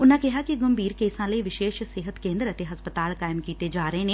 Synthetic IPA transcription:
ʊnãːkɪɦaːkiɡəmbiːɾkeːsãːləiʋɪʃeːʃsɪɦət̪kẽːnd̪əɾət̪eɦɐspət̪aːlkaːɪmkiːt̪ed͡ʒaːɾəeneː

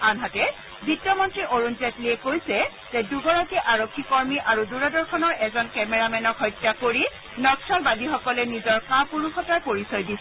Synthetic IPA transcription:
anɦatɛ | bitjɔmɔntɹiʔoɹunzɛtliɛkojsɛ | z̥ɛduɡɔɹakiʔaɹokʰːikɔɹmiʔaɹuduɹɔdɔɹkʰɔnɔɹʔɛzɔnkɛmɛɹamɛnɔkɦɔjtːakoɹi | nɔksɔlbadixɔkɔlɛnizɔɹkapuɹuxɔtaɹpoɹisɔjdisɛ

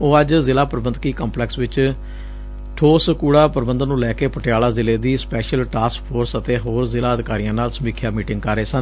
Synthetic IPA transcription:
oːəd͡ʒzɪlaːpəɾbənkiːkə̃ːmplɛːksʋɪt͡ʃ | ʈʰoːsəkuːɽaːpəɾbənd̪ənũːlɛːkeːpəʈɪjaːlaːzɪleːd̪iːspɛːʃəlʈaːskpʰoːɾsət̪eːɦoːɾzɪlaːəd̪ɪkaːɾijãːnaːlsəmiːkʰjaːmiːʈɪ̃ŋɡkəɾeːsən

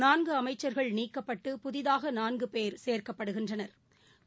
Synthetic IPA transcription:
naːnɡɯɐmɐɪt͡ʃːɐɾɣɐɭniːkːɐpːɐʈːɯpʊðɪðaːɣɐnaːnɡɯpeːɾseːɾkɐpːɐɽɯɣɪndrɐnɐɾ

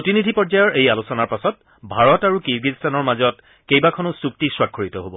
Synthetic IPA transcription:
potinidʱipɔɹzajɔɹʔejalusɔnaɹpasɔt̚ | bʱaɹɔtaɹukiɹɡistanɔɹmazɔt | kejbakʰɔnʊsuk̚tiswakʰːoɹitɔɦobɔ

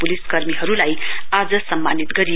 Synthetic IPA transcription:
puliskʌɾmiɦʌɾulajad͡zʌsʌmːanit̪ɡʌɾi

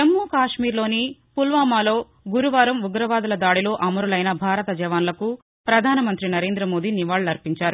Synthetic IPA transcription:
ɐmːuːkaːʂmiːɾlo̞ːnipulʋaːmaːlo̞ː | ɡuɾuʋaːɾɐmuɡɾɐʋaːd̪ɐlɐd̪aːɽilo̞ːʔɐmɐɾulɐjnɐbʱaːɾɐt̪ɐd͡ʒɐʋaːnlɐku | pɾɐd̪ʱaːnɐmɐnt̪ɾinɐɾe̞ːnd̪ɾɐmoːd̪iːniʋaːɭlɐɾpiɲt͡ʃaːɾu

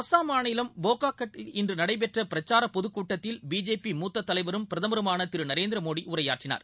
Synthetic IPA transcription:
ɐsaːmaːɳɪlɐmboːkaːkːɐʈɪndrɯnɐɽɐɪp̬ɛʈrɐpɪɾɐt͡ʃːaːɾɐpɔðɯkːuːʈːɐt̪ːɪlbiːd͡ʒeːpimuːt̪ːɐt̪ːɐlɐɪʋɐɾɯmpɪɾɐðɐmɐɾɯmaːnɐt̪ɪɾɯnɐɾeːnd̪ɾɐmoːɽiʔʊɾɐja̰ːʈrɪna̰ːɾ

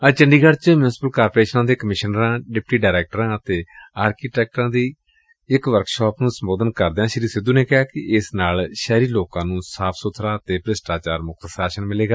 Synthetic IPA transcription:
ət͡ʃəɳɖiːɡəɖt͡ʃmjuːnɪspəlkaːɾpoːɾeːʃnãːd̪eːkəmɪʃənɾãːɖɪp̚ʈiːɖaːɾɛːk̚ʈɾãːət̪eːaːɾkiːʈɛːk̚ʈɾãːd̪iː | ɪkʋəɾkʃɔːpnũːsəmboːd̪ənkəɾd̪eːãːʃəɾiːsɪd̪uːneːkɪɦaːkɪɪsnaːlʃɛːɾiːloːkãːnũːsaːpʰsʊt̪ʰɾaːət̪eːpəɾɪsʈaːt͡ʃaːɾmʊk̚ʰt̪əsaːʃənmɪleːɡaː

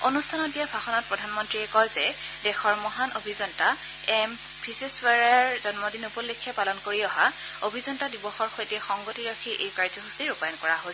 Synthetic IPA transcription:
onustʰanɔt̚dijabʱaxɔnɔt̚pɹɔdʱanmɔntɹiɛkɔjzɛ | dɛxɔɹmɔɦanobʱizɔnta | ɛm | pʰiseswaɹaɹzɔnmɔdinupɔlːekʰːjɔpalɔnkoɹiɔɦa | obʱizɔntadibɔxɔɹxojtɛxɔŋɡotiɹakʰiʔejkaɹzɔɦusiɹupajɔnkɔɹaɦo

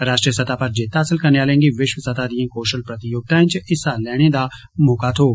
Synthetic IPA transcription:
ɾaːʃʈɾijəsɐt̪ʰaːpɐɾd͡ʒeːt̪aːsɪlkɐɾnejaːlẽːŋɡiʋɪʃwəsɐt̪ʰaːd̪ijãːkoːʃəlpɾɐt̪ɪjoːɡ̚t̪ãːɪ̃t͡ʃɪsalɛːɽ̃ed̪a | moːkaːt̪ʰoː

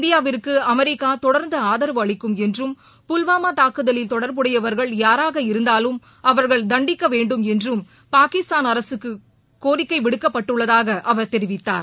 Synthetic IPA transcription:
ɪɪnd̪ɪjaːʋɪrkːɯɐmɛɾɪkːaːt̪ɔɽɐɾnd̪ɐaːðɐɾɐʋɐɭɪkːɯmɛndrɯm | pʊlʋaːmaːt̪aːkɯðɐlɪlt̪ɔɽɐɾpɯɽɐjɐʋɐɾɣɐɭjaːɾaːɣɐɪɾɯnd̪aːlɯm | ɐʋɐɾɣɐɭd̪ɐɳɖɪkːɐʋeːɳɖɯmɛndrɯm | paːkɪst̪aːnɐɾɐsɯkːɯ | kːoːɾɪkːɐɪʋɪɽɯkːɐpːɐʈːɯɭːɐðaːɣɐʔɐʋɐɾt̪ɛɾɪʋɪt̪ːa̰ːɾ

